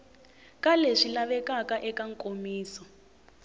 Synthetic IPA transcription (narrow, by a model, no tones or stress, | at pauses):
kaleʂilaβɛkakaʔɛkaŋ̩kʼomiːsɔ